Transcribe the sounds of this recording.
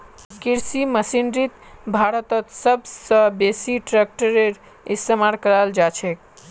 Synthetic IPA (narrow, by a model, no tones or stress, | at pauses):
kiɾsiməsinɾit̪bʱaɾət̪ət̪səbʱsə̃besiʈɾek̚ʈəɾeɾ | ist̪emaɾkəɾald͡ʒat͡ʃʰɛk